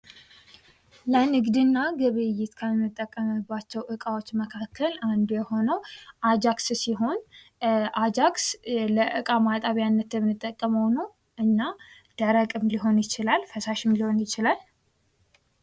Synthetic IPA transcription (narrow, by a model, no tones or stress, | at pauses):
lənɨɡd̪ɨnːaɡəβəjɪt̪kʰamːɨt̪ʼːəkʼːəmɨbːat͡ʃːɛwʔɨkʼawot͡ʃːməkʰakʰːəland̪jɛho̞nəwʔad͡ʒakssiɦo̞n | ʔad͡ʒaksləʔɨkʼamat̪ʼaβjanːət̪jɛmɨnɨt̪ʼːəkʼːəməwnəw | ʔɨnːa | d̪̥əɾəkʼɨmliɦo̞njɪt͡ʃɪlalfəsaʃɪmliho̞njɪt͡ʃɪlal